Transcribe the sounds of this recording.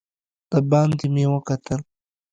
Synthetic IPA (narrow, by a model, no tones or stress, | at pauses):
d̪̥əbɑːnd̪imeːwəkat̪əl